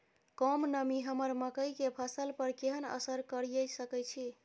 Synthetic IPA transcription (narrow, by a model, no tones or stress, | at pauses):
kɔmnəmiɦəməɾməkəjkepʰəsəlpəɾkeɦənə̰səɾkəɾijəsəkət͡ʃʰi